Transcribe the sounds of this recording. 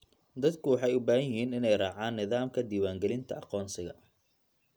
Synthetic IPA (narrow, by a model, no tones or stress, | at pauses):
d̪ɐd̪kʰʊwɑħɑjʊbaːhɐjɪɦiːnɪnɛjrɑːʕaːnːɪðaːmkʰɐd̪iːwaːŋɡɛlɪnt̪ʰɐ̰ʔɑqɔːnsɪɣɐ